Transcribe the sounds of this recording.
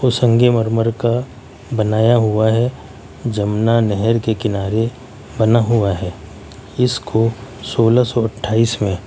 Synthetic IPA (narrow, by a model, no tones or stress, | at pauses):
osə̃ŋɡeməɾməɾka | bɐnaːjaɦʊaɦɛ | d͡ʒɐmnanɛɦɛɾkekɪnaːɾe | bɐnaɦʊaɦɛː | ɪskosoːlasɔɐʈʰːaːiːsmẽ